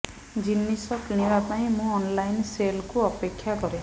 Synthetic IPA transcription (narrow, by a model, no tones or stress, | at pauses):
d͡ʒinːisɔkiɽ̃ibapaĩmũɔnlajnselkuɔpekʰːjakɔɾe